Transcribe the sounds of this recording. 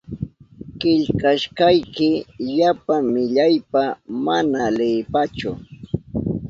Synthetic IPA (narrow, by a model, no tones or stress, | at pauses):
kɪʎkaʃkajkɪʎapaŋmɪʎajpamanalɪːpat͡ʃʊ